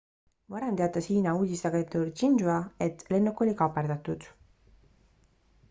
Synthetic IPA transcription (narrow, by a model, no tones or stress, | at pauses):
mɑɾɑnd̪eɑt̪ːɑsiːnɑuːd̪ist̪ɑɡent̪uɾt͡ʃinʒuɑe̞t̪le̞nːukːo̞lʲikɑpːɑrd̪ɑt̪ːud̪̥